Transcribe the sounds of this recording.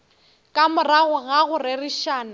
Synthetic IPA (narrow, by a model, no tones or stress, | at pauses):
kʼamʊraɣʊɣaɣʊrɪrɪʃaːna